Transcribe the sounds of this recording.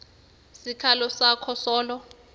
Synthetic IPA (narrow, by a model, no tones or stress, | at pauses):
sikʰalɔsakʰɔsɔːlɔ